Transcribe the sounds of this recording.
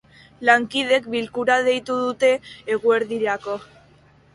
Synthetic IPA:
laŋkið̞e̞kbilkuɾaðe̞jt̪uðut̪e̞ːɣue̞ɾðiɾako̞

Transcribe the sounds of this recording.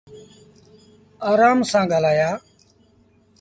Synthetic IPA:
aːɾaːmsãːɡʱəlaːjaː

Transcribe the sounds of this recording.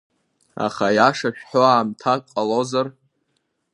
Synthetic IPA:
a̰χajaʂaʃᶣħoaːmtʰakqʼalozar

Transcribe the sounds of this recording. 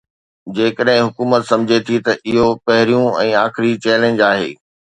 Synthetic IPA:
d͡ʑeːkəɗɦɪ̃ɦʊkuːmət̪sɐ̃md͡ʑʱet̪ʰit̪ɐʔɪɦopɐɦɪɾijũɛ̃ːaːxɪɾit͡ɕɛːlẽːnd͡ʑaːɦḛː

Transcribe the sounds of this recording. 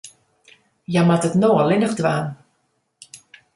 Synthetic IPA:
jamatətnoːəlɪnəχdʋaːn

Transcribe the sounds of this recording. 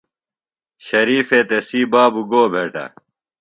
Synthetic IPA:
ɕɐɾiːfet̪esiːbaːbuɡoːbʱeːʈɐ̰

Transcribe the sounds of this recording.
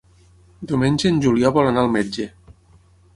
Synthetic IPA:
d̪iuwmenʲd͡ʒenʲʒuliɔβɔlanaːlˠmed͡ʒe

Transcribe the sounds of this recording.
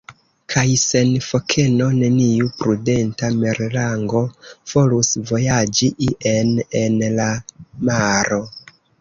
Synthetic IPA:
kʰajse̞nfo̞kʰe̞no̞ne̞niupɾude̞ntameɾlaŋɡo̞v̥o̞lusvo̞jad͡ʒiʔiʔe̞ne̞nlamaɾo̞

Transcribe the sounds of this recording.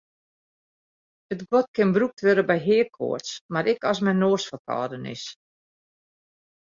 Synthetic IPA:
ətɡɔt̚kɪnbruk̚tʰʋɪɾəbɛjɦɪəkʰo̰ətsmaɾɪkɔsmɛnoːsfəkʰɔ̰ːdənɪ̰s

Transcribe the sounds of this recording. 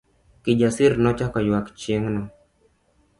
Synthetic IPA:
kɪd͡ʒasiɾnɔt͡ʃakɔjwakt͡ʃjeŋnɔ

